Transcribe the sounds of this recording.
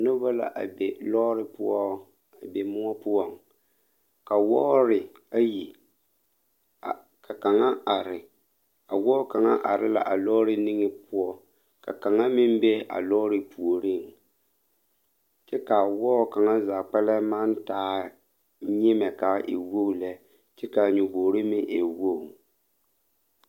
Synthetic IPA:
nʊ˦ba˦la̰˨ʔa̰˨be˨lɔ˦ɾɪ˦pʊ˦ɔ˦ | a˨be˨mʊ˦ɔ˦pʊ˦ɔ˦ŋ | ka˨wɔ˦ɾɪ˨ | a˦ji˨ | ka˨ka˨ŋa˦a˨ɾɪ˨ | a˨wɔː˦ka˨ŋa̰˦ʔa˨ɾɪ˦la̰˨ʔa˨lɔ˦ɾɪ˦nɪ˦ŋɪ˦pʊ˦ɔ˦ | ka̰˨ka˨ŋa˦mɪ˦m˦be˦a̰˨lɔ˦ɾɪ˦pu˨o˨ɾɪ˦˨ŋ | t͡ʃɛ˦ka˨wɔː˦ka˨ŋa˦zaː˨k͡pɛ˦lɛ˦ma˦ntaː˦ | ɲɪ˦mɛ˨ka˨˦ʔɪ̰˨wo˦˨lɛ˦ | t͡ʃɛ˦ka˨ɲu˨boː˨ɾɪ˦mɪ˦ʔe˨wo˦˨

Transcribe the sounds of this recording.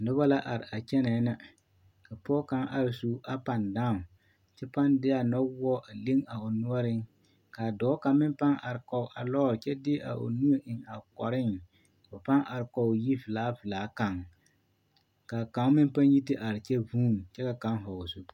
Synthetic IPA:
dʊ˦ba˦la˦ʔa˨ɾɪ˨a˨t͡ʃɛ˦nɛ˨˦na˦ | ka˨pɔː˦ka˦ŋʔa̰˦ɾɪ˨su˦ʔa˦pa˨ndaː˦˨ | t͡ʃɛ˦pa˦ndɪ˦a˦nɔ˦wɔ˦ʔa˨le˦ŋa˨ʊ˨nʊ˦ɔ˦ɾɪ˦ŋ | kaː˨dɔː˨˦ka˨mɪ˦npa˦ŋa˨ɾɪ˨kɔ˨ʊ˨ʔa˨lɔː˦˨t͡ʃɛ˦dɪ˦ʔa̰˨ʔo̰˨nu˦o˦ʔɪ˨ŋa˨kɔ˨ɾɪ˦ŋ | ʊ˨pa˦ŋʔa˨ɾɪ˨kɔ˨ji˦vɪ˨laː˦vɪ˨laː˨˦ka˨ŋ | kaː˨ka˨˦mɪ˦npa˦nji˦tɪ˦ʔa˨ɾɪ˨t͡ʃɛ˦vuː˦˨mt͡ʃɛ˦ka˨ka˦ŋ˦ɦɔ˨ʊ˨su˦˨

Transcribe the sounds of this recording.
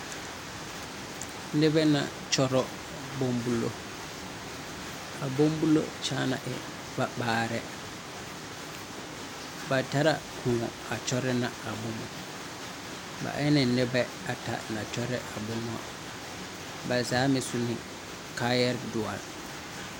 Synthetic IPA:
n̩˦nɪ˦bɛ˦nã̰˨ | t͡ʃʰɔ˦ɾɔ˦ | bo˦mbu˦lo˦ | a˨bõ˦m˦bu˦lo̰˦t͡ʃʰaː˦nã̰˨ʔɛ̰˨ | ba˨baː˦ɾɛ˦ | ba˨tʰa˦ɾa˨kʰũ˨ | a˨t͡ʃʰɔ˦ɾɪ˦nã˨a˨bʊ˦mʊ̃˨ | ba̰˨ʔɛ˦nɪ̃˨n̩˦nɪ˦bɛ˦ | a˨tʰa̰˨nã˨t͡ʃʰɔ˦ɾɪ˦ʔa˨bʊ˦m˦a̰˦˨ | ba˨zaː˨˦mɪ̃˨sʊ˦nɪ̃˨ | kʰa˦jɛ˦ɾdʊ˨a̰˨l

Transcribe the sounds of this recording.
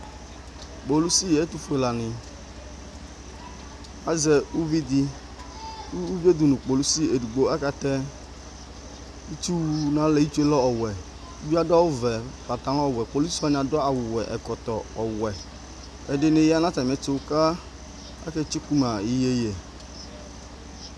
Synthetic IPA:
k͡po˨lu˦si˦jɛ˨e˦t̪u˦fu˦e˨la˨nɪ̃˨ | a˦zɛ˨wu˦vi˦d̪ɪ˦ | u˦u˦be˦d̪u˨nʊ̃˨k͡po˨lu˦si˦e˨du˨ɡ͡bo˦a˦ka˨t̪ɛ˦ | i˦t͡ʃu˦wu˦nã˦lɛ˨˦i˦t͡ʃu˦e˦lɔ˦ɔ˨wɛ˨˦ | bi˦a˦dɔ˦wʊ˦vɛ˨fa˨t̪ã˨˦lɔ˦ɔ˦˨wɛ˨k͡po˨lu˦sa˦nɪ̃˨a˨dɔ˦a˨wʊ˨wɛ˨ʔɛ̰˨kɔ˨t̪ɔ˨ɔ˨wɛ˨ | ɛ˨dɪ˨nẽ˨ja˦nã˦ta˨m˨ɛ˨t͡ʃo˦wka˦ | a̰˦kɛ˦t͡ʃi˦ku˦ma˨i˦je˦jɛ˨

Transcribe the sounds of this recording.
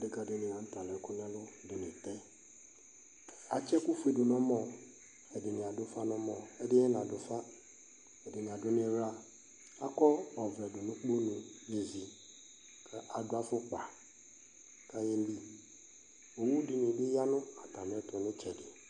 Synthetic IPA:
dɪ˦ka˨dɪ˦nɪ̃˨ã˨n̩˦ta˨lɛ˨˦kʊ˦nɛ̃˦lʊ˦dɪ˨nɪ̃˨tɛ˦ | a˨t͡ʃɛ˦kʊ˦fu˨˦e˨dʊ˨nɔ̃˦mɔ̃˦ | ɛ˨dɪ˨nɪ̃˨a˨dʊ˦fa˦nʊ̃˦mɔ̃˨ɛ˦dɪ˦ɛ˦nã˨dʊ˨fa˦ | ɛ˨dɪ˨nɪ̃˨a˨dʊ˦nɪ̃˦ɾa˦ | a˦kɔ˦ɔ˨vɾɛ˨dʊ˨nʊ̃˦k͡po˦nʊ̃˨je˨zi˨ | kʰa˦˨ʔa˨dʊ˦a˦fʊ˦k͡pa˨ | ka˦jɛ˦m̩˦bi˦ | o˨wu˦dɪ˨nɪ̃˨dɪ˦ja˦nʊ̃˦a˨ta˨mɪ̃˨˦ɛ˦tʊ˨nɪ̃˦t͡ʃɛ˨dɪ˨

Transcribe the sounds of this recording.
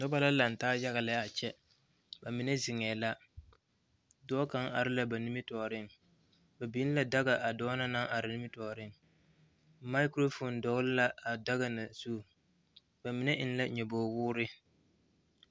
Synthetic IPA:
nɔ˦ba˦la˦la˨n˨taː˦ja˦ɣa˨la˦a˨t͡ʃɛ˦ | ba˨mɪ˨ne˦zɪ˨ŋɛː˨la˦ | dɔː˦ka˦ŋʔa˨ɾɪ˦la˨ba˨ni˦mɪ˦tɔː˨ɾɪ˦ŋ | ba˨bi˦n˦la˨da˦ɡa˨ʔa˨dɔː˦na˦na˦ŋʔa˨ɾɪ˨ni˦mɪ˦tɔː˨ɾɪ˦˨ŋ | ma˦ɪ˦kɾo˦fo˨ndɔ˨ɣlɪ˦la˦a˨da˦ɣa˨na˨su˦˨ | ba˨mi˨ne˦ʔɪ˦n˦la˦ɲɛ˨boː˨wʊː˦ɾɪ˦

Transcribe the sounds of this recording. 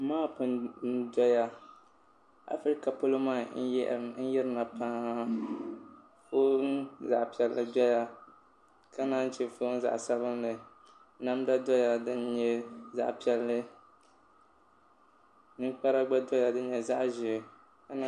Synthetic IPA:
maː˦pɨ˨n˦dɔ˦ja˦ | a̰˨fɾi˦ka˨po˦lo˦maː˦˨n̩˦n̩˦jɛ˦ɾɨ˦na˨pʰã˦ | fo˦nza̰˨ʔpi˨ɛ˨lːɨ˨dɔ˦ja˦ | ka˦na˦n˦t͡ʃɛ˨fo˦n˦za̰˨ʔsa˦βɨ˦nlɨ˨˦ | na˦m˦da˦dɔ˦ja˨dɨ˦n˦ɲɛ˦za̰˨ʔpi˨ɛ˨lːɨ˦ | nɨ˦ŋ˦k͡pa˦ɾa˦ɡ͡ba˦dɔ˦ja˨dɨ˦n˦ɲɛ˨za˦ʔʒɪ˨ | ka˦n˦

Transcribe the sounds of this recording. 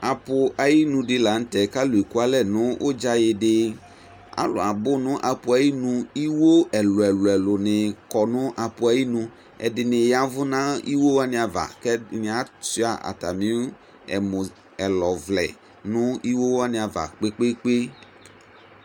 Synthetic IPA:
a˨pʊ˨ʔa˨ji˦nũ˨dɪ˨˦la˨n̩˦tɛ˨ka˦lʊ˨i˨ku˦a˦lɛ˦nʊ̃˦ʔo˦d͡ʒa˦jɪ˨dɪ˦ | a̰˦lʊ̰˨a˨bʊ˦nʊ̃˦ʔa˨pʊ˨a˨ji˦nũ˧i˦wo˦ɛ˨lʊ˨ɛ˨lʊ˨ɛ˨lʊ˨nɪ˨kɔ˨nʊ̃˦ʔa˨pʊ˨a˨ji˦nũ˧ | ɛ̰˨dɪ˨nɪ˨ja˨vʊ˦nã˦i˦wo˦wa˦nɪ̃˨a˨va̰˨kɛ˦nɪ˨a˨si˦a˨ʔa̰˨ta˨mĩ˦ | ɛ˨mʊ̃˨ | ɛ˨lɔ˨vlɛ̰˨ | nʊ̃˦i˦wo˦wa˦nɪ̃˨a˨va̰˨k͡pe˦k͡pe˦k͡pe˦

